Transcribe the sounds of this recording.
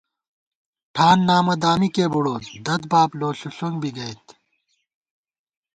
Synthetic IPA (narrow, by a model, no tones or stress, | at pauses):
ʈʰaːnːaːmɐd̪aːmikeːbuɽoːt̪d̪ɐd̪baːploːɕuɬuŋɡbʱiɡɐjt̪